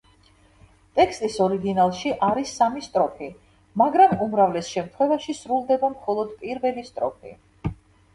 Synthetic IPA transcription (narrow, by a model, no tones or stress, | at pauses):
t̪ʼɛkst̪ʼisɔɾiɡinalˠʃiʔaɾisːamist̪ʼɾɔpʰi | maɡɾamumɾavlɛsʃɛmt̪ʰχwɛvaʃisɾulˠd̪ɛbamχɔlˠɔd̪pʼiɾvɛlist̪ʼɾɔpʰḭ